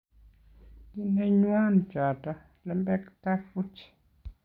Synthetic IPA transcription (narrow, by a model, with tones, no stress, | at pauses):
di˦nɛ˦ɲwa˦nt͡ʃa˨ta˦ | lɛ˨mbɛ˦kta˦fu˦t͡ʃ